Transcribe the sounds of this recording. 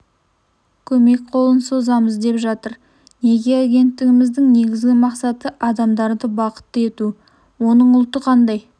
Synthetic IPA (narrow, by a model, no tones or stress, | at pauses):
kʲʰɵme̞k̚qʰo̞lˠənso̞zɑməzd̪e̞pʒɑt̪əɾ | ne̞ɡʲe̞aɡʲe̞nt̪ːɪɡʲɪmɪzd̪ɪŋne̞ɡʲɪzɡʲɪmɑqsɑt̪əʔɑd̪ɑmd̪ɑɾd̪əbɑqə̥t̪ːəe̞t̪u | wo̞nəɴʊlˠt̪əqʰɑnd̪ɑj